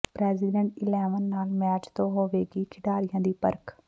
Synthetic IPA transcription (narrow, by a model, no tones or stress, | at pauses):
pɾɛːzɪɖə̃ɳʈɪlɛːʋənːaːlmɛːt͡ʃt̪õːɦoːʋeːɡiːkʰɪɖaːɾɪjãːd̪iːpə̰ɾk